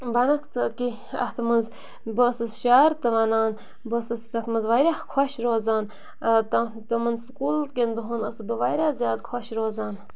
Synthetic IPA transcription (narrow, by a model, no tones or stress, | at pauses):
bɐnɐkʰt͡səki | ɐ̰t̪ʰmɐnz | bəsɐsʃaːɾt̪ɐʋaːnaːn | bəsɐsk̪ɐt̪mɐnzʋaɾʲaːkʰwoʃɾoːzaːn | t̪ɐ | t̪ɐmɐnskulkʲend̪uɦunɐsbəʋajɾʲaːzjaːd̪kʰwoʃɾoːzaːn